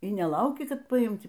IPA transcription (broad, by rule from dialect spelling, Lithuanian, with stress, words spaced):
iː nʲɛˈlˠɐʊkʲɪ ˈkɐt pɐˈɪmʲtʲ